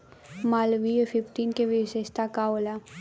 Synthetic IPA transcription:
maːlʋiefʰɪpʈinkeʋisest̪ʰakaola

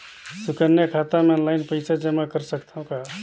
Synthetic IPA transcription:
sukənjakʰat̪ameɔnlaɪnpəɪsʰad͡ʒəmakəɾsəkt̪aɦũka

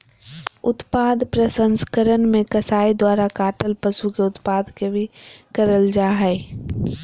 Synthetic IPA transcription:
ʊt̪paːd̪pɾəsə̃nskəɾənmẽkəsaːid̪waːɾakaːʈəlpəsukeʊt̪paːd̪kebʱikəɾəld͡ʒaːɦɛː

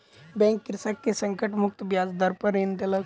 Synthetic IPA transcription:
bɛ̃ŋkːiɾsakːesə̃ŋkəʈmʊk̚t̪bjad͡zd̪əɾpəɾend̪elə

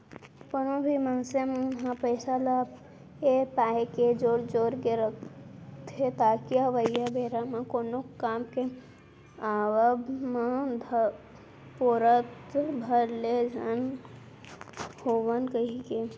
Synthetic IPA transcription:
pənobʱimãnsemɦãpəɪsalap | epaːeked͡ʒoːɽd͡ʒoːɾkeɾəkt̪ʰet̪aːkiɦəʋəjabʱeːɾamãkoːnokaːmke | aːʋəbmãd̪ʱ | poːɾət̪bʱəɾled͡ʒʱən | hoːʋənkəɦike

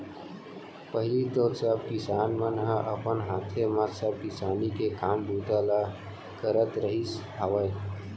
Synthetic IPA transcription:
pəɦlit̪oːɾsəbkɪsaːnmənɦəʔəpənɦaːt̪ʰeməsəb̚kɪsaːnikekaːmbuːt̪ala | kəɾət̪ɾəɦis | aːʋəe

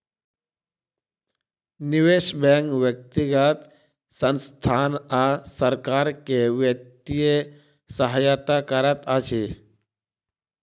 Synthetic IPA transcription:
nɪʋeʃbɛŋkʋjək̚t̪iɡət̪ | sənst̪ʰaːnasəɾkaːɾkeʋjək̚t̪ije | səɦajat̪akəɾət̪at͡ʃʰi

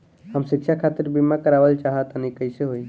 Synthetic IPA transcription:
həmsikʃʰakʰat̪iɾbimakəɾaʋəlt͡ʃaɦət̪ənikəjseɦoj

